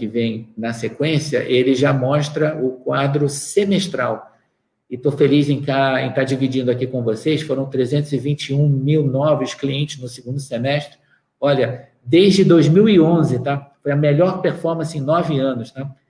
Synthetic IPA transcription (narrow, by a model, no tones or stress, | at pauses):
kɪvẽj̃nɐsekwẽsiɐ̰ʔelɪʒamɔʃt̪ɾɐʊkwad̪ɾʊsemeʃt̪ɾa̰w | ɪt̪ofelizẽj̃k̪aẽt̪ad͡ʒivid͡ʒĩnd̪ʊakikõvosejsfoɾɐ̃w̃t̪ɾezẽnt̪ʊzɪvĩt͡ʃɪũmiwnɔvʊskliẽnt͡ʃɪznʊsɪɡũnd̪ʊsemɛʃt̪ɾɪ | ɔʎɐ | d̪ejʒd͡ʒɪd̪ojzmiwiõzɪt̪afojɐmelɔɾpeɾfɔɾmɐ̃sɪẽj̃nɔvɪɐ̃nʊst̪a